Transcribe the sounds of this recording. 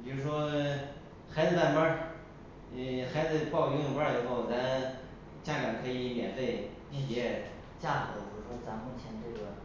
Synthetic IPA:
jo˥˧ʊʂ̩˥ʂwɔ˥ | xa˧˥ɪd͡zɹ̩˧t̪a˥˩npa˥˧ | xa˧˥ɪd͡zɹ̩˧pɑ˥˧ʊ˧˥˩ŋpa˥d̪ə˧˩xo˥˩ʊt͡sa˧˥n | t͡ɕja˥˩ɡa˨˩nkʰɤ˧˥i˧˥njɛ˨˩nfe˥˩ɪ | pʰi˨˩pjɛ˧˥ | t͡ɕja˥˩kɤ˨˧˥d̪ə˧˩t͡ɕjo˥˩ʂʂwɔ˥t͡sa˧˥nmu˥˩t͡ɕʰjɛ˧˥nʈ͡ʂɤ˥˩ɡə˩

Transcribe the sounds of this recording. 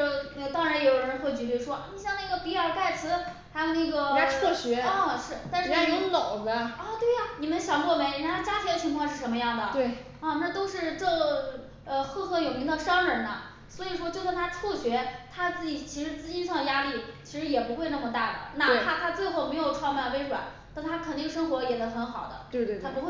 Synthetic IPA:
n˥˩t̪ɑ˥ŋɻa˧˥njo˧˩jo˨˥˩ɻə˧˥nxwe˥˩ɪt͡ɕy˧˥t͡ɕo˥˩ʊʂwɔ˥˧ni˧˥ɕjɑ˥˧ŋna˥˩ɡə˩pi˧˥ə˞˧˥ka˥˩ɪt͡sʰɹ̩˧˥ | t̪ʰa˥˧na˥˩ɡə˩˧˥tʰɤ˥˩ɕɥɛ˧˥˩ʂɻ̩˥˩t̪a˥˧nʂɻ̩˥˧a˥˩˧lo˨˩ʊd͡zə˦ə˥˧t̪we˥˩ɪɐ˨˩ni˨˩mə˦nɕjɑ˨˩ŋkwɔ˥˩me˧˥i˧˩a˥˩a˥t͡ɕja˥t̪ʰd̪ə˧t͡ɕʰy˧˥ŋʰ˥˧˥ʂɻ̩˥˩ʂə˧˥nmə˧jɑ˥˩ŋd̪ə˩t̪we˥˩ɪ | ə˥˧na˥˩t̪o˥ʊʂɻ̩˥˧ʈ͡ʂɤ˥˧ | ə˧xɤ˥˩xɤ˧˥jo˨˩ʊmi˧˥ŋd̪ə˧ʂɑ˥ŋɻə˧˥nnə˧ | swɔ˧˥i˨˩ʂ̬wɔ˥t͡ɕjo˥˧ʊsnt̪ʰa˥t͡sʰu˥˩ɕɥɛ˧˥t̪ʰa˥t͡sɹ̩˥˩t͡ɕi˨˩t͡ɕʰi˧˥ʂɻ̩˧˥t͡sɹ̩˥˧t͡ɕi˥nʂɑ˥˩ŋd̪ə˩ja˥li˥˩t͡ɕʰi˧˥ʂɻ̩˧˥jɛ˨˩pu˧˥xwe˥˧ɪna˥˩mə˩t̪a˥˩d̪ə̰˩na˥˧e˥˩t̪ʰa˥t̪ʰa˥t͡swe˥˧ɪxo˥˩ʊme˧˥ɪjo˨˩ʊʈ͡ʂʰɑ˥˧ma˥˩npe˥˧ɪʂwa̰˨˩˦n | t̪a˥˩ŋt̪ʰa˥kʰə˨˩ni˥˩ɡə˩ʂ̬ɤ˥ŋxwɔ˧˥jɛ˨˩d̪ə˧˥xə˧˥nxɑ˨˩ʊd̪ə̰˦twe˧ɪt̪we˥˧t̪ʰa˥˧pu˧˥xw

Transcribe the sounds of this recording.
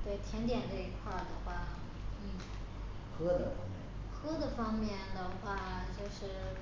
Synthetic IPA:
t̪we˥˩ɪt̪ʰjɛ˧˥nt̪jɛ˨˩nʈ͡ʂɤ˥˩i˧˥kʰwa˥˩d̪ə˩xwa˥˩ | n̩˥˩ | kʰɤ˥d̪ə˨fɑ˥ŋmjɛ̰˥˩n | kʰɤ˥d̪ə˨fɑ˥ŋmjɛ˥˩nd̪ə˩xwa˥˧t͡ɕjo˥˧ʊʂɻ̩˥˩

